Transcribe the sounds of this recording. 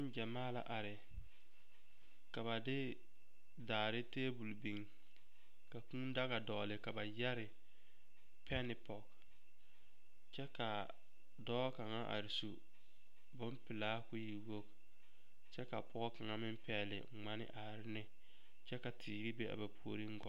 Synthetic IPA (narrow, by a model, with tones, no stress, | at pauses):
ɪ˦n˦d͡ʒɛ˨maː˦la̰˨ʔa˨ɾɪ˨ | ka˨βa˨dɪ˦ | daː˨ɾɪ˦teː˦bu˨lbi˨ŋ | ka˨ku˦n˦da˦ɣa˨dɔː˨lɪ˨ka˨ba˨jɛ˦ɾɪ˨ | pʰɛ˦nɪ˨pɔ˨k | t͡ʃɛ˦ka˨ | dɔː˦ka˨ŋa˦ʔa̰˨ɾɪ˨su˨ | bʊ˦mpɪ˨laː˦kʊ˦ji˨wo˦k | t͡ʃɛ˦ka˨pʊ˦ɣɔ˦ka˨ŋa˦mɪ˦m˦pɛ˨˦˨lɪ̰˨ŋ͡ma˦nɪ̰˦ʔa˨ɾɪ˦nɪ˦ | t͡ʃɛ˦ka˨tʰiː˨ɡɪ˦be˦ʔa̰˨ba˨pʰu˦o˨ɾi˦ŋ̩˦ɡɔ̰˨˦